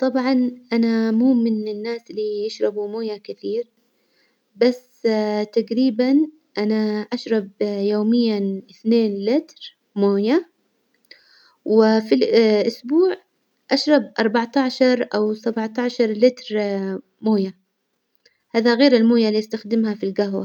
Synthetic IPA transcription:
t̪ˤɑbʕɑnʔanamuːmɪnɪnːaːslːijɪʃɾˤɑbumoːjakɪθiːɾ | basːt̪aɡɾiːban | ʔanaʔaʃɾˤɑbjoːmɪjːaʔɪθneːnlɪt̪ɾ | moːja | wɪfilʔʊsbuːʕ | ʔaʃɾˤɑbʔɑɾˤbɑʕt̪aʕʃɑɾˤʔawsabʕt̪aʕʃɑɾˤlɪt̪ɾ | moːja | haːðaɣeːɾɪlmoːjalijɪst̪axd̪ɪmhafilɡahwa̰

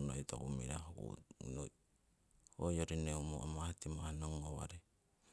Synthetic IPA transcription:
nojto̰kumḭɾa̰hkṵnoj | ojoɾineumo̰ʔamahatimahnoŋowa̰ɾe

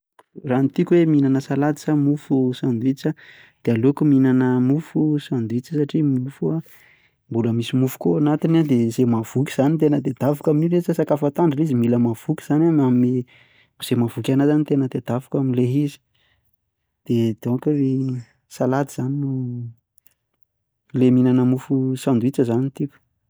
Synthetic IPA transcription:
rant̪ikʲweminanəsalat̪i̥samufusand̪uit͡sa | d̪̥ealokuminanəmufusand̪uit͡sisaʈ͡ʂimufua | mbuləmisimufu̥koanat̪inad̪ez̥emav̥ukʲi̥z̥anit̪enəd̪ed̪avakaminiɾet͡sasakafat̪aɳɖ͡ʐiizimiləmav̥ukʲi̥z̥anaami | miz̥emavukʲanazanit̪enəd̪ed̪avakamileɦizi̥ | d̪̥ed̪̥okure | salad̪iz̥aninu | leminanəmufusand̪uit͡səzanit̪iku̥

